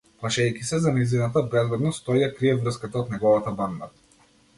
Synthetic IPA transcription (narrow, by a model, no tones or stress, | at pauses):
plˠaʃɛjkʲisɛzanɛjzinat̪abɛzbɛd̪nɔst̪ɔjjakɾiɛvɾəskat̪aot̪nɛɡɔvat̪aband̪a̰